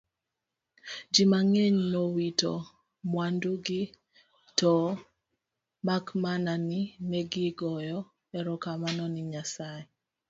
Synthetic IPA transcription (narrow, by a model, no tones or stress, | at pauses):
d͡ʒimaŋeɲnowitɔ̰ | mwanduɡɪ | tɔ | makmananinɛɡɪɡɔjɔ | ɛɾɔkamanɔnɪɲasaɛ